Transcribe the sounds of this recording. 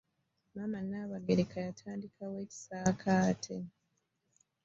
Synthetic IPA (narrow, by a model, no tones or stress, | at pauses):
mamanaːβaɡeɾekʰajatʰaːndikʰawe̞ːci̥saːkʰaːtʰe